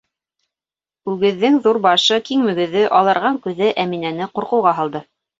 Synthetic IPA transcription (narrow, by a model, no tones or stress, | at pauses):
ʉɡɘ̆ðːɘŋðuɾbɑʃɤkiŋmɘ̆ɡɘ̆ðɘʔɑlˠɤ̆ɾʁɑŋkʉðɘʔæminænɘquɾqɤ̆wʁɑɦɑlˠd̪ɤ